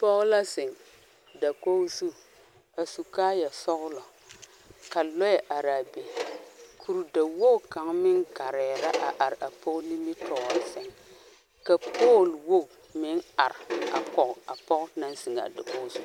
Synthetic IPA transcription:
pɔ˦ɣla˦sɪ˨ŋ | da˨ko˦su˦ | a˨su˨kaː˦ja˨sɔ˦ɣlɔ˨ | ka˨lɔ˦jɛ˨ʔa˨ɾa˨be˨kʰu˨ɾu˨da˨wo˦˨ka˨ŋmɪ˦ŋɡa˨ɾɛː˨ɾa˦ʔa˨ʔa˨ɾa˨pʰo˦ni˦mi˦tɔ˨ɔ˨sɛ˨ŋ | ka˨pʰo˦˨lwo˦˨ | mɪ˦na˨ɾa˨kɔ˨ʔa˨pɔ˦ʔna˦n˦sɪ˨ŋa̰˨da˨ko˦su˦

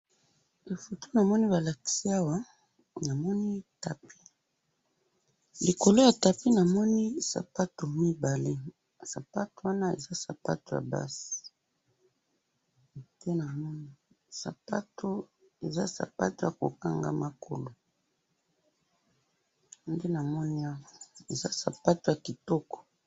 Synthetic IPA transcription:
e˨fo˨tʰo˦na˨mɔ˦ni˦ba˨la˨ki̥˨si˦a˦wa˦ | na˨mɔ˦ni˦ta˨pi̥˦ | li˨ko˨lo˦ja˨ta˨pi˦na˨mɔ˦ni˦sa̰˨pa˦to˨mi˦ba˨le˦˨ | sa˨pa˦to˨wa˦na˦ḛ˨za˦sa̰˨pa̰˦to˨ja̰˨ba̰˦si̥˨ | te˦na˨mɔ˦ni˦ | sa̰˨pa˦tʰo˦ | e˨za̰˦sa̰˨pa̰˦to˦˨ja˨ko̰˨ka˦ŋɡa̰˦ma˦kʰo̰˨lo˨ | nde˦na˨mɔ˦ni˦a˦wa˨e˨za˦sa˨pa˦to˨ja˨ki˨tɔ˦kɔ̥˨

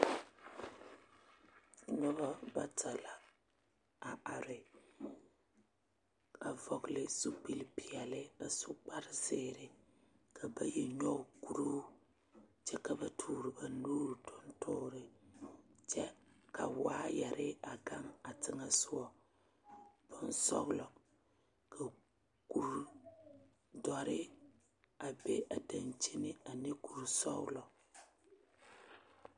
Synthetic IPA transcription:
ɲɔ˦ba˦ba˦tʰa˨la˨ | a˨a˨ɾɪ˨ | ka˨vɔ˨klɪ˦su˦pi˨lpi˨ɛ˨lɪ˦a˨sʊ˦k͡pa˦ɾɪ˦sɪː˦˨ɾɪ˦ | kʰa˨ba˨je˨ɲɔ˦˨ku˨ɾu˦ | t͡ʃɛ˦ka˨ba˨tʰuː˨ɾɪ˨ba˨nuː˦ɾtʰʊ˦ntʰʊ˦ɾɪ˨ | t͡ʃɛ˦kʰa̰˨waː˦jɛ˨ɾɪ˦a˨ɡa˦ŋa˨tɪ˦ŋa˦sʊ˦wɔ˨ | b̥ɨ˦n̩˦sɔ̰˦ɣlɔ˨ | kʰa˨ | ku˨ɾ | dɔ˨ɾɪ˦ | a˨be˦ʔa˨da˨nt͡ʃi˦nɪ˦a˨ne˦ku˨ɾsɔ̰˦ɣlɔ˨

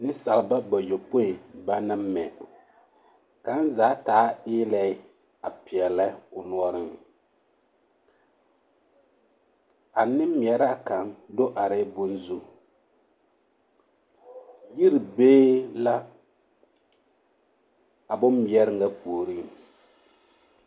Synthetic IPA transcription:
nɪ˦sa˨lba˦ba˨jo˨po˦ɪ˨ba˦na˦m˦mɛ˨ | ka˨˦n˦zaː˨˦taː˨˦ɪː˦lɛ˨ɪ˦ | a˨pɪ˨ɛ˨la˦ʊ˨nu˨˦ɔ˦ɾɪ˦ŋ | a˨nɪ˦m̩˦mi˨ɛ˨ɾa˦ka˨ŋdo˦ʔa˨ɾɪ˦bʊ˦nzu˦ | ji˦ɾi˨beː˦la˦ | a˨bʊ˦mː˦i˨ɛ˦ɾɪ˦ŋɡa˦pu˨o˨ɾi˦ŋ

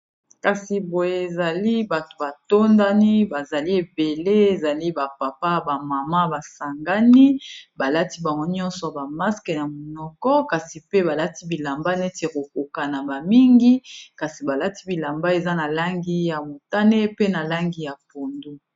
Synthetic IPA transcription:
ka˨si˨bo˨je˦e˨za˨li˦ba˨to̥˨ba˨to˦nda˦ni˦ba˨za˨li˦e˨be˨le˦e˨za˨li˦ba˨pa˨pa˦ba˨ma˨ma˦ba˨sa˨ŋɡa˦ni˦ba˨la˦ti˦ba˨ŋɡo˦ɲɔ̃˦nsɔ˨ba˨ma˦skɛ˨na˨mo˨nɔ˨kɔ˦ka˨si˨pe˦ba˨la˦ti˦bi˨la˨mba˦ne˦te˨ko˨ko˨ka˨na˨ba˨mi˦ŋɡi˦ka˨si˨ba˨la˦ti̥˦bi˨la˨mba˦e˨za˦na˨la˦ŋɡi˦ja˨mo˨ta˦ne˦pe˦na˨la˦ŋɡi˦ja˨po˨ndo˦

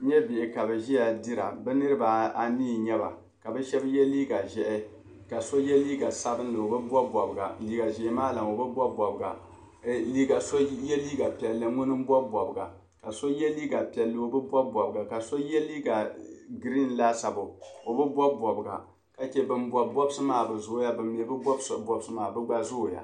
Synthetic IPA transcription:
ɲɛ˦be˨ʔɪ˨ka˨bɛ˨ʒɛ˦ja˨di˦ɾa̰˨bɛ˦nɨ˦ɾɨ˦ba˨a˨niː˦˨ɲɛ˦ba̰˨ | ka˨bɛ˦ʃɛ˦bjɛ˦liː˦ɡa˨ʒɛ˨ʔɛ˦ | ka˨so˦jɛ˦liː˦ɡa˨sa˦bɨ˦n˦lɨ˨o˨bɨ˦bɔ˦bɔ˨bɨ˨ɡa̰˨liː˦ɡa˨ʒɛ˨˦maː˦la˨m˨o˨bɨ˦bʷɔ˦bʷɔ˨bɨ˨ɡa̰˨ | li˦ɡa˨so˦jɛ˦liː˦ɡa˨pɛ˨lːɨ˨ŋʊ˦nɨ˦m˦bɔ˦bʷɔ˨bɨ˨ɡa̰˨ | ka˨so˦jɛ˦liː˦ɡa˨pi˨ɛ˨lːɨ˦o˦bɨ˦bʷɔ˦bwɔ˨bɨ˨ɡa˨ka˨so˦jɛ˦liː˦ɡa˨ɡɾi˦n˨la˦sa˨bʊ˨o˨bɨ˦bʷɔ˦bɔ˨bɨ˨ɡa̰˨ | ka˨t͡ʃɛ˦bɨ˨nbɔ˨bɔ˦bsɨ˦maː˦˨bɨ˨zʊ˦ja˦bɨ˨mː˨ɛ˨˦bɨ˦bɔ˦bso˨bɔ˦bsɨ˦maː˨bɨ˦ɡ͡ba˦zʊ˦˨ja̰˨

